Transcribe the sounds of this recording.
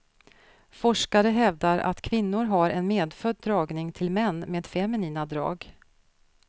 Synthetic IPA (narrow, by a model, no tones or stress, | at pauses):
fɔʂkaɾəɦɛvd̪aɾa̰t̪kʰvɪnːʊɾɦaɾʔɛnmeːd̪fœd̪ːɾɑːɡnɪŋt̪ʰɪlmɛnːmeːd̪̥fɛmɪniːnad̪ɾɑ̰ːɡ